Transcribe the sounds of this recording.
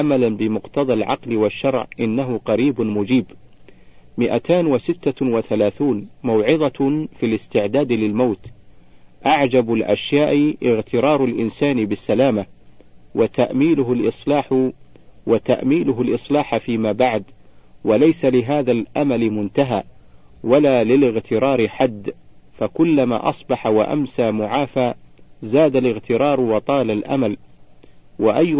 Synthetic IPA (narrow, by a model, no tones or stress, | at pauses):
ʔamalanbɪmʊqt̪ɑd̪ˤɑlʕɑ̰qlɪwaʃːɑɾˤʕʔɪnːaɦʊqɑɾiːbʊmʊd͡ʒiːb | mɪʔat̪ʰaːnwasɪt̪ːawaθalaːθuːnmawʕɪðˤɑfilɪst̪ɪʕd̪aːd̪lɪlmawt̪ | ʔaʕd͡ʒabʊlʔa̰ʃjaːʔʔɪɣt̪ɪɾˤɑːɾˤalʔɪnsaːnɪbɪsːalaːmawat̪aʔmiːlʊɦʊlʔɨsˤlɑːħ | wat̪aʔmiːlʊɦʊlʔɨsˤlaːħfiːmaːbaʕd̪walajsalɪɦaːðaːlʔamalɪmʊnt̪aɦaː | walaːlɪlɪɣt̪ɪɾˤɑːɾɪħad̪ːfakʊlːama̰ːʔɑsˤbɑħawaʔa̰msaːmʊʕaːfaːzaːd̪alɪɣt̪ɪɾˤɑːɾˤwɑt̪ˤɑːlalʔa̰mal | waʔajː